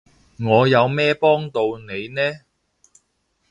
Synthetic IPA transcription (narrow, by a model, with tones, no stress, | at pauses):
ŋɔː˨˧jɐ˨˧wmɛː˥pɔː˥ŋt̪o˧wne˨˧jnɛː˥